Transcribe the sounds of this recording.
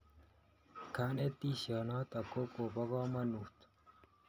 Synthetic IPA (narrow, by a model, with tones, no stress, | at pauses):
kʰaː˦net̪iːɕɑ˨nɑːt̪ɐ˨ko˦koːbɐ˦ɣɑː˦mɐnut̪